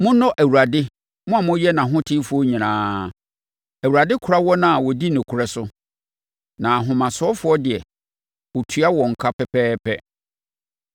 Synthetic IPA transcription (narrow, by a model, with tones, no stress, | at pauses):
mʊ̃˦nɔ̃˦ʔæ˨wu˨ɾa˨dɪ˦ | mʊ̃˦a˨mʊ̃˦jɛ˦nã˨ɦʊ̃˦tʰɪ˦fʊ˨˦ɔ˦ɲĩ˨ñãː˦ | æ˨wu˨ɾa˨dɪ˦kʰʊ˨ɾa˦wɔ˦nã˨a˨wɔ˨di˦nʊ̃˨kʰʊ˨ɾɛ˦sʊ˦ | nã˨ɦʊ̃˨mã˨sʊ˨˦ɔ˦fʊ˦ɔ˦dɪ˨ɛ˨ | wɔ˨tʰɥa˦wɔ̃˨ŋ̩˨kʰa˦pɛ˨pʰɛː˦pʰɛ˦